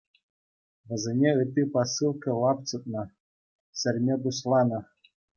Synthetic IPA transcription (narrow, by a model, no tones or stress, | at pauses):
ʋɘ̆zʲenʲeɯt̪ʲːɨpasɨlˠkɤ̆lˠɑpt͡sɤ̆t̪̚nɤ̆ | sʲɘ̆rʲmʲed̪uɕlˠɑnɤ̆